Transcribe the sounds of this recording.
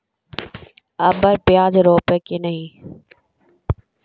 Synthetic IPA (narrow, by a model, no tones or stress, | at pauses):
əbəɾpɪjaːd͡ʒɾoːpeːkeːnəɦĩː